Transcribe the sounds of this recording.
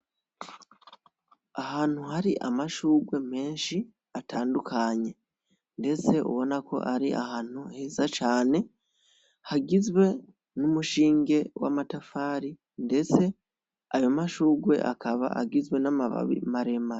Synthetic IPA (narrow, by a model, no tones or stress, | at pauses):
ahaːn̥huhaɾiʔamaʃuːɡwe̞me̞ːnʃi | atʰaːndukʰaɲe̞ | nde̞t͡se̞ṵβo̞nakʰo̞̰ʔaɾia̰han̥uheːzat͡ʃaːne̞ | haɡizwe̞ | numuʃiːŋɡe̞wa̰matafaːɾi | nde̞t͡se̞ | ajomaʃuːɡwe̞̰ʔa̰kʰaβa̰a̰ɡizwe̞namaβa̰βḭmaɾe̞ma